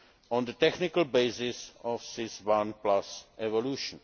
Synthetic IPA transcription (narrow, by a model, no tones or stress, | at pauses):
ɔ̃nd̪ət̪ɛknɪkəlbeɪsɪsɔfsɪswãnplasʔɛvoluːʃɔ̃n